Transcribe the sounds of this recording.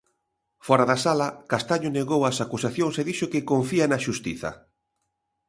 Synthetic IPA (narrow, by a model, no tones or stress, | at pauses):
fɔɾaðasalɐkast̪aɲʊneɣowɐsakusaθjoŋseðiʃokɪkoɱfianaʃust̪iθɐ̰